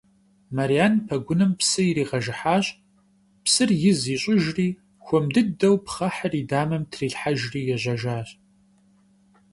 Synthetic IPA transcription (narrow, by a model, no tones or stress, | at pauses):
maɾijaːnpʰɐɡʷʊnɨmpsɨiɾiːʁɐʒɪħaːɕʼ | psɨrjɪziːɕʼʊʒriː | xʷɔmdɨdɐwpχɐħəriːdaːmɐmtʰriːɬħaʒriːjɛʑɐʒaːɕ